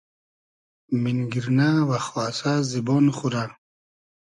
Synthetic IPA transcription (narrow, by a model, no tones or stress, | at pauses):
minɡiɾnavaχɔasazibɔnχuɾa